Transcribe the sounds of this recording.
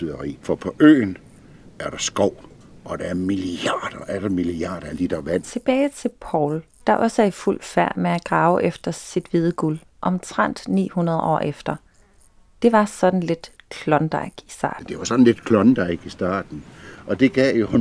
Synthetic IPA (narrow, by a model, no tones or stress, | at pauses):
yðˠɐʁḭːfɒ̽pʰɒ̽ʔø̰ːn | æɐɾ̥ɑ̈sɡ̥ɒʊ̰ | ʔɒd̥ɑæɐmiliɑ̰ːd̥ɐʔæɐɾ̥ɑmiliɑ̰̈ːɾ̥ɐæd̥id̥ɑʋæn̰t͡sʰe̝b̥ɛːɪt͡sʰe̝lpʰɒʊl | d̥ɑ̈ʔɒ̽sæɐiful̰fæɐ̰meæɡ̥ʁɑ̈ʊʔefd̥ɐsid̥ʋið̞ˠəɡ̥ul | ʔɒ̽mt͡sʰʁan̰d̥nḭːhunɐð̞ˠɒ̰ːʔefd̥ɐ | d̥e̝ʋɑ̈sɒ̽d̥n̩le̝d̥kʰlɒ̽nd̥ɑ̈ɪɡ̥isd̥ɑ̈ːd̥e̝ʋɑ̈sɒ̽d̥n̩le̝d̥kʰlɒnd̥ɑ̈ɪɡ̥isd̥ɑ̰̈ːd̥n̩ʔɒ̽d̥e̝ɡ̥ɛːjo̝hu